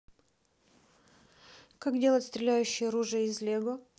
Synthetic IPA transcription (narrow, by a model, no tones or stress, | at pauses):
kakdʲe̞lˠətʲst̪ɾʲɪlʲæjʉɕːɪjəɾuʐɨəɪzlʲeɡo